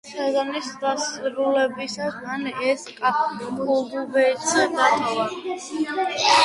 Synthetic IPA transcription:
sazanisasʼɾulɛbisasanɛsqʼaɔbuvɛt̪ʰiad̪at̪ʰʼɛva

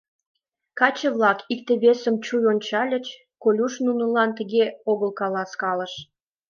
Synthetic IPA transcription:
kɑt͡ɕəβlɑkikt̪eβesə̆mt͡ɕujonʲt͡ɕɑlʲə̆t͡ɕ | kolʲuʃnunə̆lɑnt̪əɣeoɣəlkɑlɑskɑlə̆ʃ

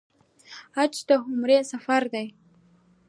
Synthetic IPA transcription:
at͡ʃd̪əɦʊmɾesafaɾd̪aj

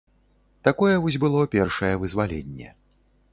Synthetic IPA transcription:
t̪akɔjɛvɔsʲbɨlˠɔpʲɛrʂɐjɛvɨzvalʲḛnʲːɛ̰

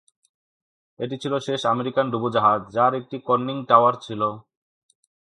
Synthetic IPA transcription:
eʈ̬it͡ɕʰiloʃeʃameɾikanɖubud͡ʑaɦad͡ʑd͡ʑaɾek̚ʈikɔnːiŋʈawaɾt͡ɕʰilo

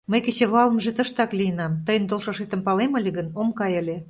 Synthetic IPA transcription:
məjket͡ɕeβlɑlə̆mʒet̪əʃt̪ɑklʲijənɑmt̪əjənd̪olʃɑʃet̪ə̆mpɑlemə̆lʲeɣənomkɑjəlʲe

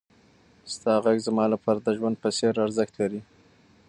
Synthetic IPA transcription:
st̪ɑɣaɡzmɑlapʰɑɾad̪əʒwand̪̚pəseɾaɾzəxt̪laɾi

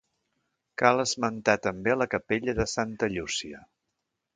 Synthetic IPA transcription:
kaləzmənt̪at̪əmbeləkəpeʎəðəsant̪əʎusiə

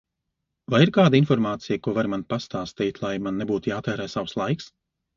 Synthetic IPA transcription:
vajiɾkaːd̪ainfɔɾmaːt̪sijkuɔvaɾmanpast̪aːst̪iːt̪ʲlˠajmannːɛbuːt̪ujaːt̪ɛːɾɛːsawslˠajks

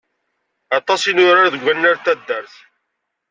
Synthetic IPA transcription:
ɑt̪ˤɑsinʊɾaɾðəɡʷːænːaɾt̪ːæd̪ːəɾθ

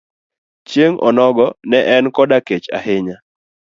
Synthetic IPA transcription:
t͡ʃjeŋʔɔ̰nɔɡɔnɛʔɛnkɔdaket͡ʃa̰hɪɲa

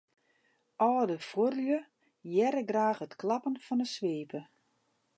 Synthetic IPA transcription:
ʔɔːdəforjə | jɛɾəɡraːxətklɑpənfɔnəsʋeːpə

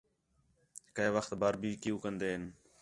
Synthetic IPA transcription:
kəeʋəxt̪baːɾbʱiːkɪjũːkənd̪eːɦən

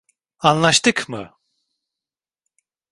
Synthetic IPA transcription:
anlˠaʃt̪ɯkmɯ̰

